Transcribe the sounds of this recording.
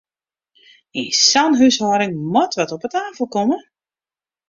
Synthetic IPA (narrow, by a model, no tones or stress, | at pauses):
insanɦyshɔɾɪŋmɔtʋɔtɔpətaːfl̩ˠkomə